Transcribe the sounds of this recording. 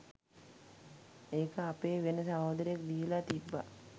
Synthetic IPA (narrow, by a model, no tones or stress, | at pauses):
eːkəapeːʋenəsamoːd̪əɾjak̚d̪iːlat̪ibːa̰